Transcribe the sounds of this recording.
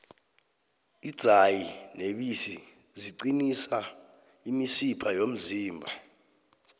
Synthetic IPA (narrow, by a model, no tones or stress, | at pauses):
id̥z̥ʱajineɓisi | ziǀinisa | imisipʰajom̩ziːmbʱa